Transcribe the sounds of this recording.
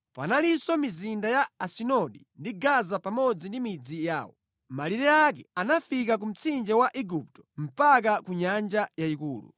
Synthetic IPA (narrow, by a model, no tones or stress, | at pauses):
pa̰nalisɔmizindajaasinɔɗindiɡazapamɔd͡zindimid͡zija̰ːwɔ̰ | maliɾɛakɛanafik̬ak̬um̩t͡sʰind͡ʒɛwaʔiɡup̚tɔ̥m̩pak̬akuɲand͡ʒajaikṵːlṵ